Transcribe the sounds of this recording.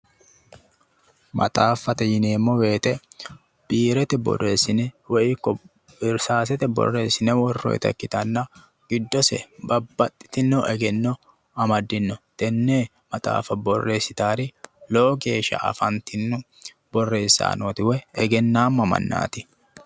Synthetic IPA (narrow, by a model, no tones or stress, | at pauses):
mʔɐ̰t̪ʼaːfːɐt̪ɛjɪne̞ːmːɔwe̞ːt̪ʼɛ | b̥iːɾɛt̪ɛbɔ̰re̞ːsːɪnɛwɔʔɪkːɔ | ɪɾsaːs̬ɛt̪ɛbɔ̰rːe̞ːsɪnɛwɔrːɔ̰jt̪ɐ̰kːɪt̪ɐnːɐ | ɡ̥ɪd̪ːɔsɛ̰bɐbːɐt̪ʼːɪ̥t̪ɪnːɔʔɛɡɛnːɔ | ɐmɐd̪ːɪnːɔt̪ɛnːeː | mɐt̪ʼa̰ːfɐbɔrːe̞ːsːɪt̪aːɾɪloːɡe̞ːʃːɐ̰ɐ̰fɐnt̪ɪnːʊ | bɔrːe̞ːsːa̰ːnoːt̪ɪwɛɛɡɛnːaːmːɐmɐ̰nːa̰ːt̪ɪ